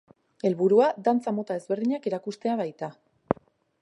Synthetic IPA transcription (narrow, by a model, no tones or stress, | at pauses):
e̞lβuɾuad̪ant͡samo̞t̪ae̞zβe̞ɾðiɲakeɾakust̪e̞aβajt̪a